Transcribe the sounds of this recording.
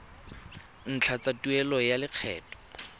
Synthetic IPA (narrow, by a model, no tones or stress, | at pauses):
n̩t͡ɬʰat͡satuɛlɔjalɪq͡χʰɛ̰ːtʼɔ̥